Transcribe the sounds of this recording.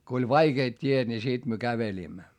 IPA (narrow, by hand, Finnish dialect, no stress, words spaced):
k olʲ ʋɑikeːt tʲiet nʲi sit myø kæʋelʲiːmːæ